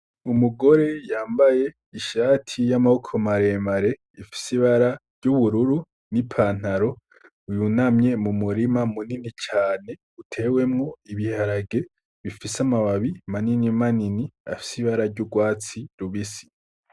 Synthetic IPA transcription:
umuɡo̞ɾe̞jaːmbaje̞ | iʃaːtʰijamahokʰomaɾe̞ːmaɾe̞ | ifi̥siβaɾaɾɟuβuɾuɾu | nipʰaːn̥aɾo̞ | ujunamɲe̞mumuɾimamuninit͡ʃaːne̞ | utʰe̞ːwe̞mŋo̞iβihaɾaɡe̞ | βifisamaβaβimaninimaninia̰fi̥siβaɾaɾɟuɡwaːt͡siɾuβisi̥

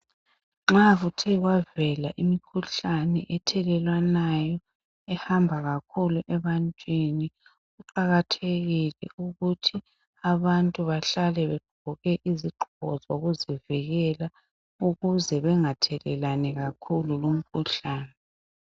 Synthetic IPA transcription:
ŋ͡ǁaɣutʰɛɣwavɛlaʔimikʰuɬanɛʔɛtʰɛlɛlwanajɔ | ɛhambʱaɣakʰuluʔɛβantʼwini | ɣuǃaɣatʰeɣilɛ̰uɣutʰi | aβantʼuβaɬalɛβɛɡ͡ǃʱɔɣɛʔiziɡ͡ǃʱɔ̰zoɣuziviɣɛla | uɣuzɛβɛŋatʰɛlɛlanɛɣakʰululom̩kʰuɬaːnɛ

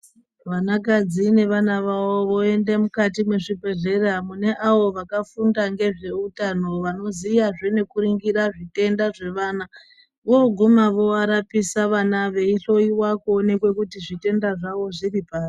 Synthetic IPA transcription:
ʋanakad͡zine̞ʋanaʋaʋo̞ʋo̞e̞nde̞mukatimweʂipe̞ɮe̞ramune̞ʔaʋo̞ʋakafundaŋɡe̞ʐe̞utano̞ʋano̞zijaʐene̞kuɾiŋɡiɾaʐite̞ndaʐe̞ʋaːna | ʋoɡʱumaʋo̞aɾapisaʋanaʋe̞iɬo̞iwakːne̞kwe̞kutiʐite̞ndaʐaʋo̞ʐiripaːsi̥

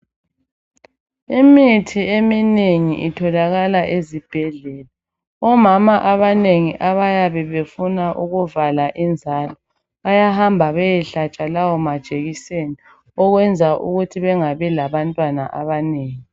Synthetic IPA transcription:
imitʰiemineŋiʔitʰɔlaɣalaʔezib̥ʱɛɮɛːla | ɔmamaʔaβaneŋiʔaβajaβɛβefunaʔuɣuvalaʔind͡zʱaːlɔ | ajahambʱaβɛjɛɬat͡ʃʼalawɔmad̥ʒ̥ʱeɣiseni | ɔɣwɛnd͡zʱaʔṵɣutʰiβɛŋaβɛlaβantʼwana̰ʔaβaneːŋi

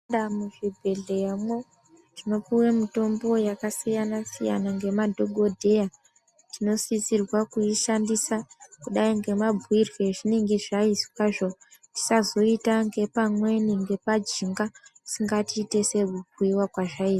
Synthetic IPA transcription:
amuʐibʱe̞ɮejamo̞ | tino̞piwemito̞mbo̞jakasijanasija̰naŋɡe̞madʱo̞ɡʱo̞dʱe̞ja | tino̞sisirwakuiʃandisakuɗaiŋɡe̞mabʱuwirwe̞ʐineŋɡeʐaiskwaʐo̞ti̥sazo̞itaŋɡe̞pamwe̞niŋɡe̞pad͡ʒiŋɡasiŋɡatiːte̞se̞kukiwakwaʐaii

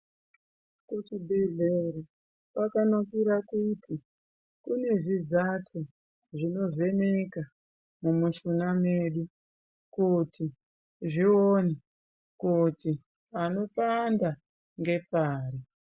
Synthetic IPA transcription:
kut͡ʃibʱeɮeɾo | pakanakiɾakutʰi | kune̞ʐizatʰo | ʐino̞ze̞ne̞ka | mumuʃunameːɗu | kuti | ʐioni | kuti | pano̞panda | ŋɡe̞paːɾi

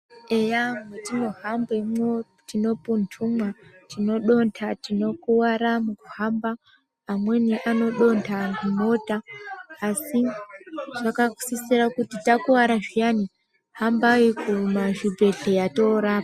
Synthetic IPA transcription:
ejaŋetino̞hambemwo | tino̞puntʰumwatino̞ɗo̞ntʰatino̞kuwaɾamukuhambaː | mwe̞niʔano̞ɗo̞ntʰaŋɡino̞taː | si | ʐ̥akaku̥sisiɾakutitakuwaɾaʐijani | hambaikumaʒibʱe̞ɬe̞jato̞ɾaːpa

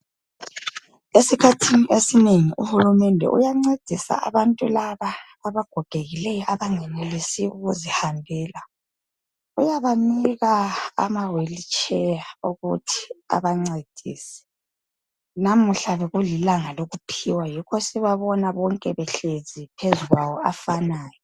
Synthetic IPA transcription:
esikʰatʰiniʔesineŋiʔṵhulumɛndʱɛ̰ʔṵjaŋ͡ǀed̥ʱisa̰a̰βantʼulaβaː | βaɡ̥ʱɔɡ̥ʱeɣilɛjɔʔaβaŋɛnelisiṵɣuzihambʱɛːla | ujaβaniɣa̰ːmawelit͡ʃʰʼɛjauɣṵtʰi̥a̰βaŋ͡ǀed̥ʱḭːsɛ̥ | nam̩ɬaβɛɣulilaŋaloɣupʰiwajikʰɔsiβaβɔnaβɔŋkʼɛβɛɬezipʰezuɣwawɔafanaːjɔ

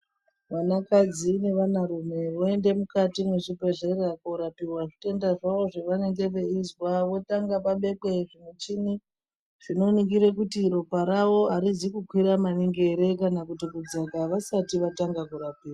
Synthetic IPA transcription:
ʋanakad͡zine̞ʋanaɾume̞ʋoe̞nde̞mukatimweʐipeʐeɾakoɾapirwaʐite̞ndaʐaʋo̞ʐeʋane̞ŋɡe̞ʋeizwaʋo̞taŋɡapaɓe̞kweʐinet͡ʃini | ʐ̥ino̞niŋɡiɾekutiɾo̞paɾawo̞aɾizikukwiɾamaniŋɡe̞ɾe̞kanakutikud͡zakaʋasatiʋataŋɡakuɾapiːrwa

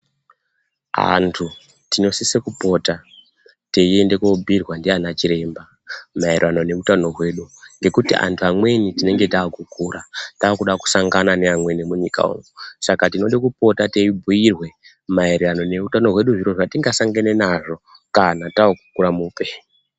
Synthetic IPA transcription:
a̰ntʰu | tino̞sisekupo̞ta | te̞iende̞kobʱirwandianat͡ʃiɾe̞ːmba | maerirano̞ne̞utano̞ɦwe̞ɗuŋɡe̞kutḭʔa̰ntʰuamwe̞nitine̞ŋɡe̞taːkukuːrataːkuɗaku̥saŋɡananeamwe̞nemuɲika̰ṵŋusakatino̞ɗikup̚o̞tate̞ibʱuirwe̞ | maeɾiwano̞ne̞utano̞ɦwe̞ɗuʐiro̞ʐatiŋɡasaŋɡanenaʐo̞ | kanataokukuɾamuːpe̞

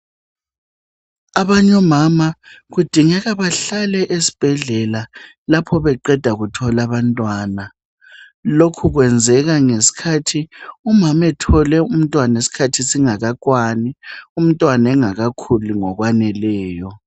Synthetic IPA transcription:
aβaɲɔmamaɣud̥ʱiŋɛɣaβaɬalɛʔesi̥b̥ʱɛɮɛla | lapʰɔβɛǃɛd̥ʱaɣutʰɔlaβantʼwaːna | lokʰuɣwɛnd͡zʱɛɣaŋesi̥kʰatʰiumamɛtʰɔlɛum̩tʼwanesi̥kʰatʰisiŋaɣakʼwanium̩tʼwanɛŋaɣakʰuluŋɔɣwanɛlɛːjɔ

